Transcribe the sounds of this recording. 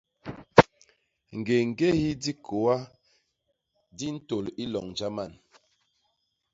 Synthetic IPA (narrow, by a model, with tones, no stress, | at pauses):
ŋ̩˨ɡe˨ŋ̩˨ɡe˦hi˦di˦kʰo˨wa˦ | di˦n̩˦to˨li˦lɔ˨ŋn˨d͡ʒa˦ma˦˨n